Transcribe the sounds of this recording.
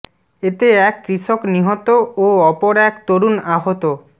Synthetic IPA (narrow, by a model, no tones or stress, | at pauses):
et̪eɛkːɾiʃokniɦɔt̪ooɔpoɾɛkt̪oɾunaɦot̪o